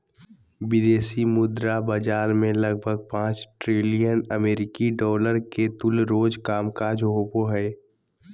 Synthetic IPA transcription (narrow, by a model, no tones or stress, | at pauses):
bɪd̪eːsimʊd̪ɾabəd͡ʒaːɾmẽləɡ̚bʱəɡ̚pãːt͡ʃʈɾɪlijənəmeːɾɪkiɖɔːləɾket̪ʊlɾoːd͡ʒkaːmkaːd͡ʒɦoːpoɦɛː